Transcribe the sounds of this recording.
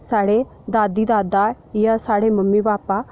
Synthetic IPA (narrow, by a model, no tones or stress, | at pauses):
saːɽeː | d̪aːd̪iːd̪aːd̪a | jasaːɽeːməmːiːbaːpaː